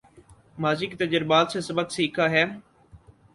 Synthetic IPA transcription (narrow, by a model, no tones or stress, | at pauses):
maːzikt̪əd͡ʒəɾbaːt̪sẽsɐbəksiːkʰaːɦɛː